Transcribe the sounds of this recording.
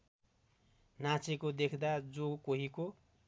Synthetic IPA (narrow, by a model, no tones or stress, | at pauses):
nat͡sekod̪ekʰd̪ad͡zokoɦiko